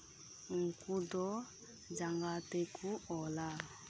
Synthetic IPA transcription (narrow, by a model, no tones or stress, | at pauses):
ŋ̩kudɔ | d͡ʒaŋɡatekʰuɔla